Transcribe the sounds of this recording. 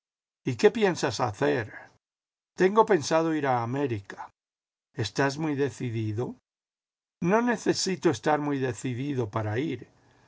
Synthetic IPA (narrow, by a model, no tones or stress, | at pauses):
ike̞pje̞nsasaθe̞ɾ | t̪e̞ŋɡo̞pe̞nsað̞o̞iɾaːme̞ɾikḁ | e̞st̪azmujðe̞θiðiðo̞ | no̞ne̞θe̞sit̪oest̪aɾmujðe̞θiðiðo̞paɾaiɾ